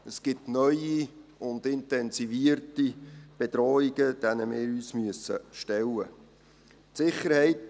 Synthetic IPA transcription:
əsɡ̥ɪtnœʏiʊnd̪ɪntɛnsiviəɾtib̥edɾɔːiɡəd̥ænəmɪːɾyːsmyəsə̰ʃtɛlːə | tsɪχːəɾhɛɪt

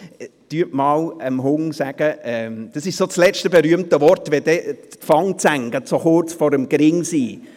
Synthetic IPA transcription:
tyəʔmɑːləmɦʊŋsæɡ̥əɛmd̥ɑsɪʃsot͡slɛt͡ʃtəbeɾyəmtəvɔɾtʋɛdɛfɑŋt͡sæŋɡətsoχʊɾt͡sfɔɾəmɡ̥ɾɪŋsiː

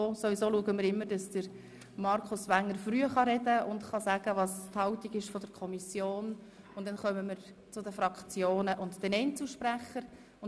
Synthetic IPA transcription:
osoʋisoːluəɡəmɪɾɪmːəɾd̥ɑsd̥əɾ | mɑɾkʰʊsʋæŋːəɾfɾyːəχɑɾɛdəʊndχɑsæɡ̥əʋɑːsthɑʊtiɡɪʃfɔd̥əɾkʰɔmisjoːn | ʊntdɛnχœməməɾt͡sʊdəfɾɑkt͡sjoːnəʔʊntd̥ɛnɛɪnt͡səʃpræχəɾ | ʊn

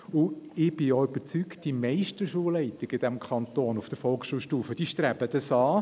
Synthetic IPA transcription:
ʊɪb̥ɪjoʏb̥ət͡syktd̥imɛɪʃtəʃuːəlɛɪtɪɡɪd̥ɛmkʰɑntoːnʊfd̥əɾfɔlˠkʃuːlʃtuːfəd̥iʃtɾæbədəsɑː

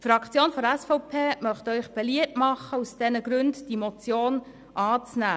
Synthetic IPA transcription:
fɾɑkʰt͡sjoːnfɔɾɛsfɔʊpʰeːmœχtœʏχb̥ɛliətmɑχːəusd̥ɛnəɡ̥ɾʉndd̥imot͡sjoːn | ʔɑːt͡snæː

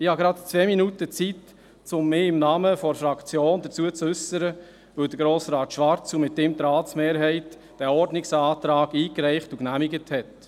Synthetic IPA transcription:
ɪhɑɡɾɑt̪t͡sʋɛːminutət͡sit | t͡sʊmːɪːɪmnɑːməfɔɾfɾɑkt͡sjoːnd̪ət͡suət͡sʏsəɾə | ʋɵd̥̪əɾɡɾoːsɾɑːt̪ʃʋɑɾt͡sumɪtːɪmt̪ɾɑːt͡smeːɾɦɛɪt | d̥æɔɾdnɪksɑːtɾɑːɡiːkɾɛɪχtuknæmɪɡəthɛt

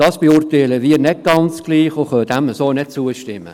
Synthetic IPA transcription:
d̥ɑːsb̥eurtɛɪləʋiːəɾnɛt̚ɡ̥ɑnt͡sɡ̥liːχoχœd̥æməsoːnɛt̚t͡suəʃtɪmːə̰

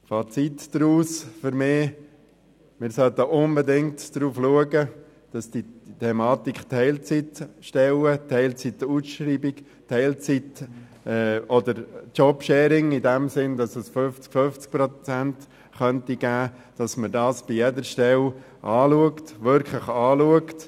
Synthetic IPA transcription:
fɑt͡sitd̥ɾuːsfʏɾmɪː | mɪɾsœlt̪əʔʊnbɛdɪŋtd̥ɾuːfluəɡə | d̥ɑsd̥itʰɛmɑːtikχtʰːɛɪlt͡sitʃtɛlətʰɛɪlt͡situsʃɾiːbik | tʰɛɪlt͡sit | ɛɔdəɾt͡ʃɔpʃɛːɾɪŋɪdɛmsɪndɑsɛsføft͡skføft͡sk̚pɾɔt͡sænt | χœntiɡ̥æː | d̥ɑsmədɑːsb̥ijɛdəɾʃtɛl | ʔɑːluəktʋʏɾkχləχɑːluəkt

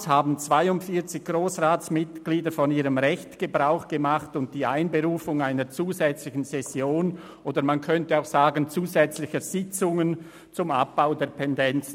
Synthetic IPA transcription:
shaːbn̩t͡sv̥aɪʊntfiɐt͡sɪçɡ̥ʁoːsʁaːtt͡smɪtɡ̥liːdəɾfɔniːʁəmʁɛçtɡ̥əbʁaʊxɡ̥əmaχtʊnt̚d̥iːaɪnbəʁuːfʊŋaɪnət͡suːzɛt͡slɪçn̩sɛsjoːn | ʔoːdəmankʰœntəaʊxsaːɡənt͡suːzɛt͡slɪçəz̥ɪt͡sʊŋən | t͡sʊma̰p̚b̥aʊdeːɐtʰɛndɛnt͡sn

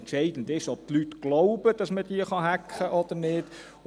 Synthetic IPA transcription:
ntt͡ʃɛɪdən̩dɪʃɔp̚tlytɡ̥loʊbəd̥ɑsməd̥iəχɑɦækχəʔɔd̥əɾnɪd

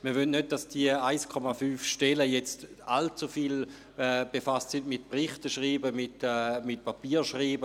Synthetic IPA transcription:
miːɐʋynnød̚dasd̥iəaɪskʰɔmafyːfʃtɛləjɛt͡st | alt͡sufiːl | ɛb̥efastsindmɪt̚pʁiχtəʃʁiːbəmɪtɛmɪt̚papiːʃʁiːbə

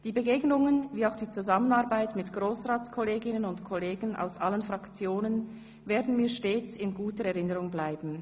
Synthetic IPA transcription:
d̥iːbəɡeːɡnʊŋənviːaʊxd̥iːt͡suzamənaɐbaɪtmɪtɡ̥ʁoːsʁaːt͡skʰɔleːɡɪnənʊntkʰɔleːɡn̩a̰ʊsʔalənfʁakt͡sjoːnən | veːɐdn̩miːɐʃteːt͡sɪnɡuːtəɾɛʁɪnəʁʊŋblaɪbn̩

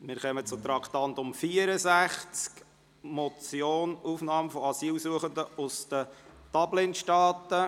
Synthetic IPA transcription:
mɪːɾχœmət͡sʊt̪ɾɑkʰt̪ɑnt̪ʊmfiːəɾəsæχt͡sk | mɔt͡sjoːnuːfnɑːmfɔɑsiːlsuəχənd̪əʊsd̪̥ətɑblɪnʃtɑːtə

